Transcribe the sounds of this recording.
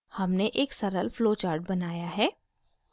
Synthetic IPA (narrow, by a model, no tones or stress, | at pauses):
hɐmneʔeːksɐɾəlfloːt͡ʃaːɾʈ̚bɐnaːjaɦɛː